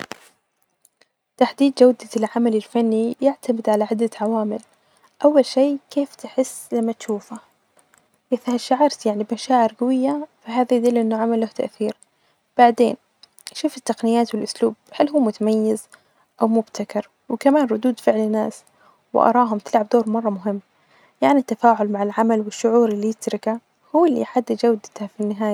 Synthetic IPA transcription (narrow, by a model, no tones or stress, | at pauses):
t̪aħd̪iːd̪d͡ʒawd̪alʕamalɪlfanːijɪʕt̪ʰamɪd̪ʕalaʕɪd̪ːaʕawaːmɪl | ʔawːalʃeːkeːft̪ɪħɪsːlamːat̪ʃuːfa | ʔɪθhaʃaʕɑɾˤt̪jaʕnibmaʃaːʕɪɾɡawɪjːafiɦaːðajd̪ɪlːʔɪnːʊʕamalːʊht̪a̰ʔθiːɾ | b̥aʕd̪eːn | ʃuːfɪt̪ːaqnɪjaːt̪wɪlʔʊslṵːb̚halːɦuːmʊt̪amajːɪz | ʔawmʊbt̪ʰakɑɾˤ | wɪkamaːnɾˤʊd̪uːd̪fɪʕlɪnːaːs | wɪ̰ʔɑ̰ɾˤɑːɦʊmt̪ɪlʕab̚d̪oːɾmɑrˤːɑmʊɦɪmː | jaʕnit̪ːafaːʕʊlmaʕalʕamalwɪʃːʊʕuːɾɪlːijɪt̪ɾɪka | huwːɪlːḭħad̪ːɪd͡ʒawd̪ɪt̪hafinːɪɦaːja